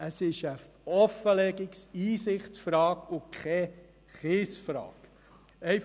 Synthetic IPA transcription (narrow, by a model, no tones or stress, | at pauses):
əsɪʃə | ɔfəlɛɡɪksiːsɪχtsfɾɑːkʊkʰɛ | χɪːsfɾɑ̰ːk | ɛɪf